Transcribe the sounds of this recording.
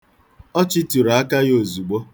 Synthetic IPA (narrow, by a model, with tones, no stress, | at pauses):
ɔ˦t͡ʃiɪ˦tu˨ɾa˨a˦ka˦jo˨zu˨ɡ͡bo˦